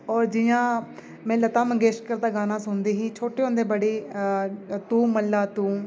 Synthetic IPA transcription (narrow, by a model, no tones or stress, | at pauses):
ɔːɾd͡ʒɪjãː | mɛ̃ːlət̪ãːməɡeːʃʈkəɾd̪aːɡaːnãːsʊnd̪eːɦiːt͡ʃʰoːʈeːʊ̃nd̪eːbəɽeː | t̪uːməlːaːt̪uː